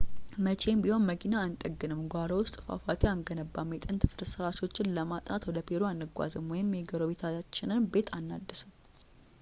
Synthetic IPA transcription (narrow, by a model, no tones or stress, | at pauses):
mət͡ʃʰe̞mbiho̞nməkʰinaːnt̪ʼəɡːɨnɨmɡʷaɾowʊst̪ʼfa̰fat̪ʰeaŋɡənəbːamːet̪ʼɨnt̪ʰɨfɨɾsɨɾat͡ʃo̞t͡ʃːɪnləmat̪ʼnat̪wɔd̪əpʰeɾoanːɨɡʷa̰zɨmwɔjɪmːeɡəɾoβe̞t̪ʰat͡ʃːɪnɨnbe̞t̪ʰanːad̪ːɨsɨm